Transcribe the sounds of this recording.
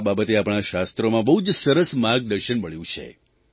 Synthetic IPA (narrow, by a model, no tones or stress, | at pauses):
babət̪eapɳ̃aʃast̪ɾomãbəɦud͡ʒsəɾəsmaɡ̚d̪əɾʃənməɳjũt͡ʃʰḛ